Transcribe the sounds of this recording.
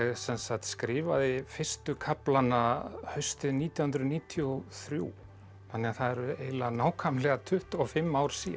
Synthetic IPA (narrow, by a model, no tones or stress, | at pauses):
sɛnsaht̪skɾɪːvaðɪfɪ̥st̪ʏkʰaplanahœɥst̪ɪðniːt̪jawhʏnɾʏðniːt̪ʰjɔθɾjṵ | θanːɛaθaðɛɾʏeːjlanaːwkʰamlɛɣat̪ʰʏht̪ɔfɪmːaːwɾ̥sḭː